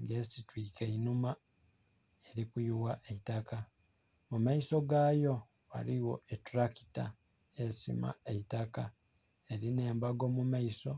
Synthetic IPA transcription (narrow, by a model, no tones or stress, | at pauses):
ŋɡe̞sitwiːke̞inuma | e̞ɾikujuwaʔe̞itaka | mumaiso̞ɡaːjo̞ | wa̰ɾiwo̞̰etuɾaki̥ta̰ | e̞sḭma̰e̞itaka | e̞ɾine̞ːmbaɡo̞mumaiso̞